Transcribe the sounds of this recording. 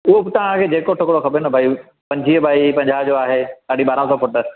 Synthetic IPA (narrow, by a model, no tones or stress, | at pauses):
ʊɦobɪt̪ɐʋ̤ãkʰeːd͡ʑeːkoʈʰʊkɽoxɐbenɐbʱaːi | pɐ̃ɲd͡ʑʱiɦəbʱaːipɐ̃ɲd͡ʑaːd͡ʑoːaːɦesaːɽ̤iɓaːɾãsɔːfʊʈəɾ